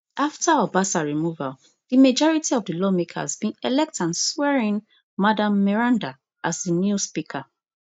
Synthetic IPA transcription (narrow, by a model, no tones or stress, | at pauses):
aftaabasaɹimuval | d̥imed͡ʒɔɹitiɔvdɨlɔmeka̰zbĩnɛlɛk̚tãnswɛɹĩn | madãmːɛɹãnda | ʔazinjuspikʰa